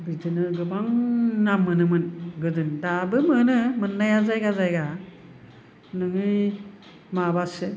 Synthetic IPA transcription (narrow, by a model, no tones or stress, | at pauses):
bidɯnɯɡɯbaŋnamːɯnɯmɯnɡɯdɯndabɯmɯnɯmɯnːajazajɡazajɡa | nɯŋɯ | mabasɯ